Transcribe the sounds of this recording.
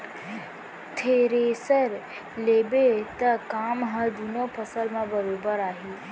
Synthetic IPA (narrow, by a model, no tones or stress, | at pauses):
t̪ʰeːɾesəɾ | leːbet̪əkaːmɦə̃d̪unõpʰəsəlmãbəɾoːbəɾaːɦi